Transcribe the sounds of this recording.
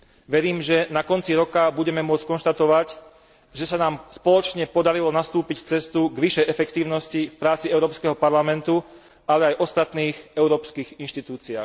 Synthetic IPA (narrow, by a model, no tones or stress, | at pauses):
ʋɛɾiːmʒɛnakɔnt͡siɾɔkabuɟɛmɛmʊɔt͡skɔnʃt̪at̪ɔʋaɟ | ʒɛsanaːmspɔlɔt͡ʃɲɛpɔd̪aɾilɔnast̪uːpicft͡sɛst̪uɡʋiʃɛjʔɛfɛkt̪iːʊnɔscifpɾaːt͡siɛʊɾɔːpskɛɦɔpaɾlamɛnt̪u | alɛajʔɔst̪at̪niːxɛʊɾɔːpskiːɣinʃt̪it̪uːt͡sia̰ːx